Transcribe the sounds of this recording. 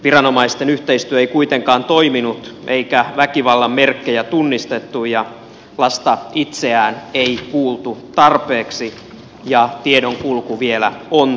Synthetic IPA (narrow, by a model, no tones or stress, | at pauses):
ʋirɑno̞mɑist̪enyht̪eist̪yøeikuit̪eŋkɑːnt̪oiminut̪ʔeikæʋækiʋɑlːɑmmerkːejæt̪unːist̪et̪ːujɑ | lɑst̪ɑit̪seæːneikuːlt̪ut̪ɑrpeːksi | jɑt̪iedoŋkulkuʋielæon